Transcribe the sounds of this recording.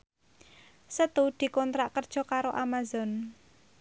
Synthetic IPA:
sət̪ud̪̥i̤kɔnt̪ɾaʔkərd̥ʒ̥ɔ̤kaɾoʔamazɔn

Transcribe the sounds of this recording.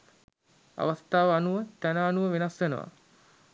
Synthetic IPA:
a̰ʋast̪aːʋəanuʋət̪ænaːnuʋəʋenasʋenə̰ʋa̰

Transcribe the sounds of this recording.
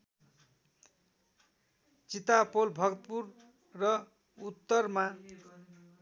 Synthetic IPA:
t͡sit̪apolbʱʌɡʌt̪purː | ʌ | ut̪ːʌrma

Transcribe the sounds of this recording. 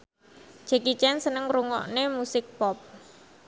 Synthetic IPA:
d͡ʒ̥ɛ̤kit͡ʃɛnsənəŋruŋɔ̰ʔnemusɪk̚pɔp̚

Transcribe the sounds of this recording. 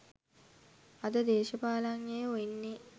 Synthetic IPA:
ɐd̪əd̪eːʃəpaːlaŋjejoinːe

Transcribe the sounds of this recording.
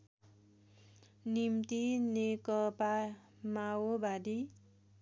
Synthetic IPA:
nimt̪inekʌpa | mawobad̪i

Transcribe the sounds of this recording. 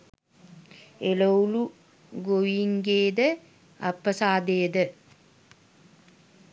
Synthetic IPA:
elowlu | ɡoʋiŋɡeːd̪ə | apːəsaːd̪ejəd̪ə

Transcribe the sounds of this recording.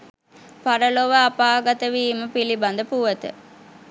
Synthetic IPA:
paɾəloʋəapaːɡat̪əʋiːməpiliband̪əpuʋət̪ə̰

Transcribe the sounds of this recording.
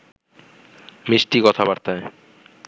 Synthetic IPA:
meʃʈikɔt̪ʰabaɾt̪ae

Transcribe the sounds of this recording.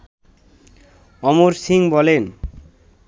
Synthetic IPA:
ɔmoɾsiŋbɔlen

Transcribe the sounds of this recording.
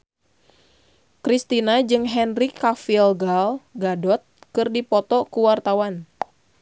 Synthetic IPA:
kɾist̪inad͡ʒɨŋɦɛnrikafilɡalɡadɔt̪̚kɨrdipɔt̪ɔkuwart̪awan

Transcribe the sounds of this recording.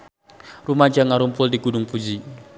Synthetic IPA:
rumad͡ʒaŋaɾumpʊldiɡudʊŋpud͡ʒi

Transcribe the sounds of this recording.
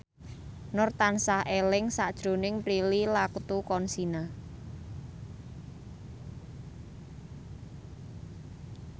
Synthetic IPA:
nʊrt̪ansahelɪŋsaʔd̥ʒ̥ɾo̤nɪŋpɾililakut̪ukɔnsina

